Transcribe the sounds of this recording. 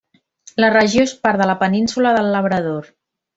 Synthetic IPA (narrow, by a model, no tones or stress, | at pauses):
lərəʒioespaɾðələpəninsuləðəlːəβ̞ɾəð̞oɾ